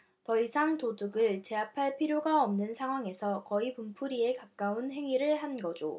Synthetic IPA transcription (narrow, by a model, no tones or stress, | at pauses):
tʌisʰaŋtodɯɡɯɭt͡ɕe̞apʰaɭpʰiɾjoɡaʌmnɯnsʰaŋɦwaŋe̞sʰʌkʌipumpʰuɾie̞kak̚k͈aunɦe̞ŋiɾɯɭhanɡʌd͡ʑo